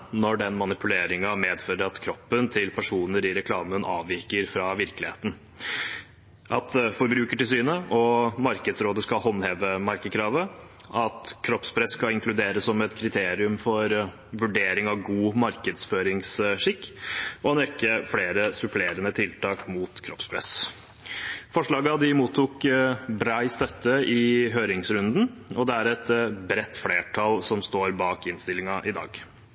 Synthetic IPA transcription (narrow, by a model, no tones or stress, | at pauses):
nɔɖɛnmɑnɪpʰʉleːɾɪŋɑmeːd̪føːɾəɾɑt̪kʰɾɔpːənt̪ʰɪlpʰæʂuːnəɾɪɾɛkʰlɑːmənʔɑ̰ːʋʋɪɾkəɾfɾɑʋɪɾkəlɪhḛːt̪n̩ | ʔɑt̪fɔɾbɾʉːkəʈɪlsyːnəʔɔmɑɾkəd̪sɾoːd̪əskɑlhɔnːheːʋəmɑɾkəkʰɾɑːʋə | ʔɑt̪kʰɾɔpspʰɾɛsːkɑlɪŋkʰlʉd̪eːɾəsːɔmɛt̪kʰɾɪt̪ʰeːɾɪʉmfɔɾ | ʋʉɖeːɾɪŋɑʋɡuːmɑɾkəd̪sføːɾɪŋsʂɪkːɔnɛkːəfleːɾəsʉpʰleːɾənət̪ʰɪlt̪ʰɑːkmuːt̪kʰɾɔpspʰɾɛ̰s | fɔʂɭɑːɡəɑd̪ɪmuːt̪ʰːuːkbɾæɪst̪œt̪ːəʔɪɦøːɾɪŋsɾʉnd̪n̩ɔd̪ɛæɾɛt̪bɾɛt̪ːfleːʈʰɑlsɔmst̪oːɾbɑːkɪnst̪ɪlɪŋɑʔɪd̪ɑ̰ːɡ